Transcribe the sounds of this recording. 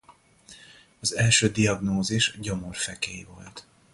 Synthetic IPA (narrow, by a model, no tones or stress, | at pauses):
ɒzɛlʃøːd̪iɒɡnoːziʃɟo̞mo̞rfɛkeːivo̞̰lt̪